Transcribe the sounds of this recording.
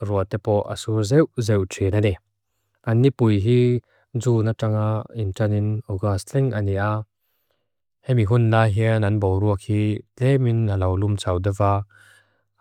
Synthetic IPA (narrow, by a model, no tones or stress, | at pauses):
ruət̪ɛpɔʔɐ̰suɾzɛwzɛwtʰenanɛ | ʔɐnːipujɦi | zuːnaʈ͡ʂaŋaintɐninɔɡastɛŋaniʔa | hɛmiɦunlaɦiənɐnbɔwɾuək̚hitɛminalɐwlumt͡sɐwdavaː